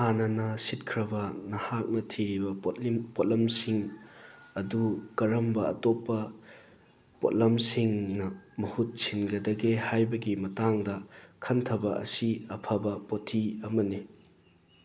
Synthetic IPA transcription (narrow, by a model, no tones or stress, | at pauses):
hanɐnɐsit̚kʰɾɐbɐnɐhak̚nɐtʰiɾibɐpot̚lɐmsiŋ | ɐdukɐɾɐmbɐɐ̰topːɐ | po̰t̚lɐmsiŋnɐmɐhut̚sinɡɐdɐɡehajbɐɡimɐtaŋdɐkʰɐntʰɐbɐɐ̰siɐpʰɐbɐpotʰːiɐmɐni